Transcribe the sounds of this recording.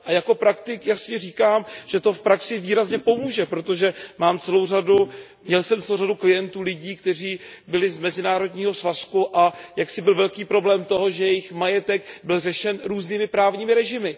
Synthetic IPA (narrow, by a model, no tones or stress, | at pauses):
ʔajako̞pɾakt̪ɪkjasɲɛriːkaːmʒ̥ɛt̪o̞fpɾaksɪviːɾazɲɛpo̞muːʒɛpɾo̞t̪o̞ʒɛmaːmt͡sɛlo̞wradu | mɲɛlsɛmt͡sɛlowraduklɪjɛnt̪uːlɪɟiːkt̪ɛr̝iːbɪlɪzmɛzɪnaːɾo̞dɲiːɦo̞svaskuʔajaksɪbɪlvɛlkiːpɾo̞blɛːmt̪o̞ɦo̞ʒɛjɛjɪxmajɛt̪ɛɡbɪlrɛʃɛnɾuːzniːmɪpɾaːvɲiːmɪɾɛʒɪmɪ